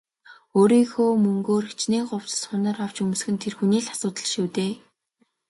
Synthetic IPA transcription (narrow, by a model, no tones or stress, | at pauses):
oːɾiːxoːmɵŋɡoːrxe̥t͡ɕneːɢʊw̥t͡sə̥̆sχʊnə̆ːraw̥t͡ɕɵm̆sxɘ̆nt̪ʰerxuniːɮḁsʊːt̪ə̆ɮʃuːt̪eː